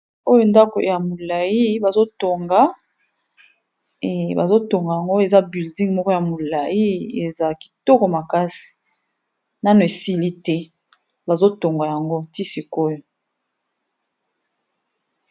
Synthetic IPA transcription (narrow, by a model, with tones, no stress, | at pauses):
o˦jo˦nda˦ko̰˨ja˨mo˨la˨ji˦ba˨zo˦to˨ŋɡa˦˨ | ba˨zo˦to˨ŋɡa˨ja˨ŋɡo˦e˨za˦bi˨ldi˦ŋmɔ˦kɔ˦ja˨mo˨la˨ji˦ḛ˨za˨ki̥˨tɔ˦kɔ˨ma˨ka˦si̥˨ | na˦no˨e˨si˦li˦tɛ˦ | ba˨zo˦to˨ŋɡa˨ja˨ŋɡo˦ti˦si˨ko˦jo˨